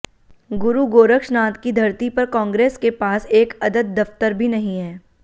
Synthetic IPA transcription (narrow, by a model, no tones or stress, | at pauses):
ɡʊɾuɡoːɾəkʃnaːt̪kid̪ʱɐɾt̪ipɐɾkɔ̃ːŋɡɾeːskepaːseːkɐd̪əd̪̚ːɐft̪əɾbʱinɐɦĩɦɛː